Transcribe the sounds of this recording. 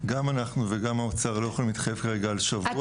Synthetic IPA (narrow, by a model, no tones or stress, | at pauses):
ɡamanaχnuveɡamaot͡saʁlojeχolmit̪χajevkaʁe̞ɡaːlʃavu